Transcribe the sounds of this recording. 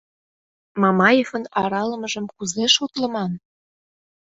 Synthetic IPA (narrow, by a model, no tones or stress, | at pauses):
mɑmɑjefənɑɾɑlə̆mə̆ʒə̆mkuzeʃot̪lə̆mɑn